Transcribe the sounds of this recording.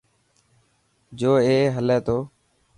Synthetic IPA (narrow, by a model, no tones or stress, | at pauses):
d͡ʒoːeːɦəleːt̪oː